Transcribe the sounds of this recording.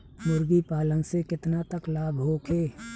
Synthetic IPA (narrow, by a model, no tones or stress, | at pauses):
mʊɾɡipaːlənsekɪt̪nat̪əklaːbɦoːkʰeː